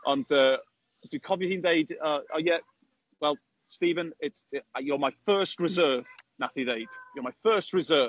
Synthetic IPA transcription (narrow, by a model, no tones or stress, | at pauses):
ʔə̃ndə | d̥əkʰɒvjəhɪ̃nðeɪdəəjɛʔ | wɛlˠ | stiːvə̃nɪtjəmaɪfɜˑstɹɪzɜːv̥naθiðeɪd̥jəmaɪfɜˑstɹɪzɜː